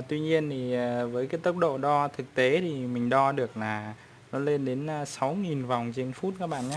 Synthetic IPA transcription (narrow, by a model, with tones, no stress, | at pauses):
t̪wi˧ɲi˧ənt̪ʰi˨˩˨vəː˨˦jkaː˨˦jt̪ə˦˥wk͡p̚ɗo̰˧˨ɗɔ˧t̪ʰɨ˨˩k̚t̪e˨˦t̪ʰi˨˩mï˨˩ŋ̟ɗɔ˧ɗɨ˨˩ə˩k̚laː˨˩ | nɔ˨˦le˧nɗe˨˦nː˧sa˨˦wŋi˨˩nva˨˩wŋ͡mt͡ɕe˧nfu˦˥t̚kaː˦˥k̚ɓa̰ː˧˨nɲaː˨˦